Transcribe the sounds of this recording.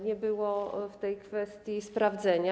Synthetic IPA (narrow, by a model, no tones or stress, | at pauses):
ɲɛbɘwɔft̪ɛjkfɛst̪ʲjispɾavd̪zɛɲa